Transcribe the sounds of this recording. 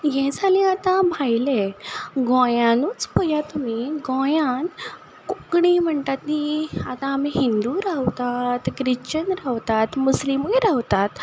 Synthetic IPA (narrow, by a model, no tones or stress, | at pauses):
jɛ̃d͡zʱalĩat̪ãbʱajleɡɔ̃jãnut͡spəjat̪umiɡɔ̃jãn | kukɽim̤əɳt̪at̪niat̪ãːmiɦind̪uɾawt̪at̪ɡɾit͡ɕənɾawt̪at̪muslimujɾawt̪at̪